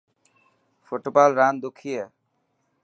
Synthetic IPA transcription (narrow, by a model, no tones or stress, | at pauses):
foʈbalɾand̪ukʰːije